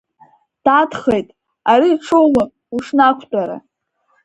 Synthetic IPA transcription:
d̥adχe̞jtʼ | aɾiːʈ͡ʂʰowma | uʂnakʷʰtʷʼaɾa̰

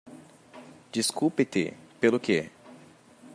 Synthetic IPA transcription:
d͡ʒiskupɪt̪ɪ̰pelʊke

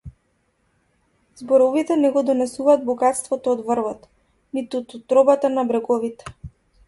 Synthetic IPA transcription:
zbɔɾɔvit̪ɛnɛɡɔd̪ɔnɛsuvaːd̪̚bɔɡat̪st̪vɔt̪ɔːd̪vrvɔt̪ | nit̪ut̪ɔt̪ːɾɔbat̪anabɾɛɡɔvit̪ɛ̥

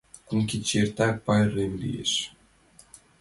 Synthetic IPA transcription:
kuŋkʲit͡ɕert̪ɑpɑjremlḭjḛʃ

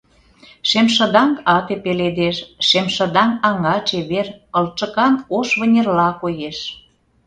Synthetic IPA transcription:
ʃemʃə̆d̪ɑŋkɑt̪epeled̪eʃːemʃə̆d̪ɑŋɑŋɑt͡ɕeβerə̆lt͡ʃə̆kɑnoʃβə̆nʲerlɑkojeʃ

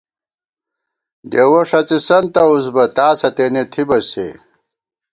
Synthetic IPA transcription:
d̪ewoʂɐt͡sisɐnt̪ɐuzbɐt̪aːsɐt̪enet̪ʰibɐsḛ

